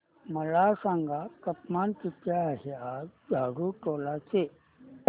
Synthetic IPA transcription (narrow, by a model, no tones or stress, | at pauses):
mɐlaːsãːŋɡakɐpmaːnkikaɦeadʱaːɾuʈoːlat͡ʃʰe